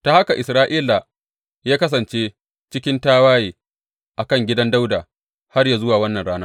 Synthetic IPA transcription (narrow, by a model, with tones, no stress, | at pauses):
ta˨ha˦ka˨ʔɪ˨sɾaː˦ʔiː˦la˨ | jaː˦kɐ˦s̬ɐ˨nt͡ʃeː˦ | t͡ʃɪ˦kʲɪ˦ntaː˦waː˦jeː˨ | ʔa˨kɐ˦˨ŋɡʲɪ˦dɐ˦nda˦wdaː˨ | ha˦rjaː˨zʊ˦waː˨wɐ˦nːɐ˨nɽaː˦naː˦